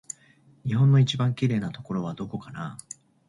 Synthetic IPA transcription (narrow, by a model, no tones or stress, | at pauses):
ɲ̟iɦõ̞nːo̞it͡ɕibãŋkʲiɾe̞ːnat̪o̞ko̞ɾo̞β̞ad̪o̞ko̞kana̰